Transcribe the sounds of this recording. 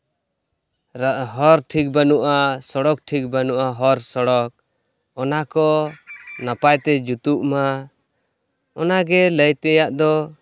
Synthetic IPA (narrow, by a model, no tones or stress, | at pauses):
ɾɦɔɾʈʰik̚banuʔasɔɽɔk̚ʈʰik̚banuʔaɦɔɾsɔɽɔk̚ | ɔnakɔ | napajt̪ɛd͡ʒut̪uʔma | ɔnaɡɛləjt̪ɛjaʔd̪ɔ